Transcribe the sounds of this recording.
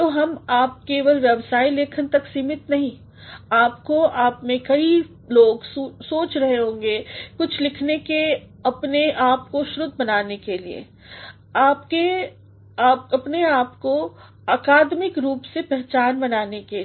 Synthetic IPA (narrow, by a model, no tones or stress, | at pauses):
t̪oːɦɐmaːp̚keːʋəlʋjɛbsaːileːkʰənt̪ɐksiːmɪt̪nɐɦĩ | aːpkoaːpmẽkɐi | loːɡsuːsoːt͡ʃɾɐɦeɦõːŋɡekʊt͡ʃʰlɪkʰneke | ɐpneʔaːp̚koʃɾʊd̪bɐnaːnekeliḛ | aːpke | aːp̚ɐpneaːpko | aːkaːd̪mɪkɾuːpsepɛɦt͡ʃaːnbɐnaːneke